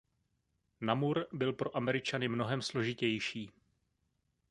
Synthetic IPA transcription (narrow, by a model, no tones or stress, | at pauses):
namuɾbɪlpɾo̞ʔamɛɾɪt͡ʃanɪmno̞ɦɛmslo̞ʒɪcɛjʃiː